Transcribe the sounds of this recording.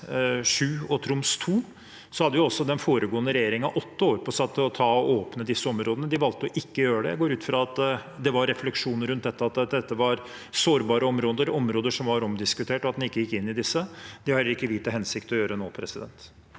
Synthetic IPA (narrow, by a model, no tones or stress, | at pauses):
ʂʉːɔt̪ʰɾʊmst̪ʰuː | sɔhɑd̪ːəʋjʊɔsːɔd̪ɛnfoːɾəɡoːənəɾɛjeːɾɪŋənɑʔɔt̪ːəoːɾpʰɔsɑt̪ʰːɔt̪ʰɑːɔʔoːpnəd̪ɪsːəɔmɾoːd̪ənəd̪ɪʋɑlt̪ːəɔʔɪkːəjøːɾəɖ̪ɛ̰ɡoːɾʉːt̪fɾɑɑt̪d̪ɛʋɑɾɛflɛkʂuːnəɾʉnt̪̚d̪ɛt̪ːəɑt̪d̪ɛt̪ːəʋɑɾ | soːɾbɑːɾəɔmɾoːd̪əɾɔmɾoːd̪əʂɔmʋɑɾɔmd̪ɪskʉt̪ʰeːʈɔɑt̪d̪ɛnɪkːəjɪkːɪnːɪd̪ɪsːəd̪ɪhɑhɛlːəɾɪkːəʋiːt̪əɦɛnsɪkt̪ɔjøːɾəno̰ːpʰɾɛsɪd̪ɛ̰nt̪